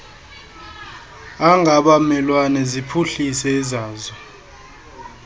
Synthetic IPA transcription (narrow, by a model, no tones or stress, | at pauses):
aŋʱaɓamɛlwanɛzipʰuɬisɛːzaːzɛ